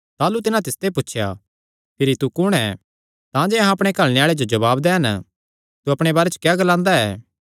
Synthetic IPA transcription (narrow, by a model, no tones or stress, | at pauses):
t̪aːlut̪ɪnãt̪ɪst̪epʊtːʃʰja̰ | pʰɪɾit̪ukʊɽ̃ɛ | t̪ãːd͡ʒɛɐɦãɐpɽ̃ekɐɭñeaːɭed͡ʒod͡ʒɐβaːbd̪ɛːɦn | t̪uɐpɽ̃ebaːɾɛt͡ʃə̥kjaːɡɐlãːnd̪aɛː